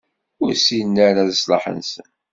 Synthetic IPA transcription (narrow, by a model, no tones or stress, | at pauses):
ʊɾsinːæɾaðəslɑ̰ħə̰nsə̰n